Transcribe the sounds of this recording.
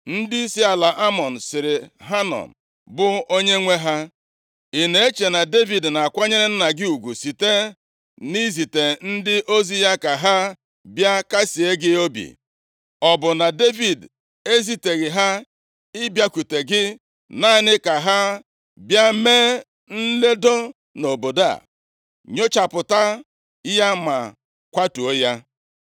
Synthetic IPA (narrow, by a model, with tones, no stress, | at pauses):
n̩˦dɪ˦i˦si˦a˨la˨ʔa˦mɔ˨n̩˨sɪ˨ɾɪ˨ɦa˦nɔ̰˨m̩˨ | bʊ˦o˦ɲe˦ŋʷe˦ɦa˦ | i˨ne˨e˦t͡ʃe˨na˨de˦vi˨dna˨a˨kʷa˦ɲe˦ɾɪ˦n̩˦na˨ɡɪ˦u˨ɡʷu˨si˨te˦ | ni˦zi˨te˨n̩˦dɪ˦ʔo˦zi˦ja˦ka˨ɦa˦ | bja˦ka˦si˨e˦ɡɪ˦o˦bḭ˨ | ɔ˨bʊ˨na˨de˦vi˨d | e˦zi˨te˨ɣɪ˨ɦa˦ | ɪ˦bja˦kʷu˨te˨ɡɪ˦ | na˦˨˦nɪ˦ka˨ɦa˦ | bja˦meː˦ | n̩˦le˦do˦ | no˨bo˨da̰˦˨ | ɲo˦t͡ʃa˨pʊ˨ta˦ | ja˦ma̰˨ | kʷa˦tu˨o˦ja˦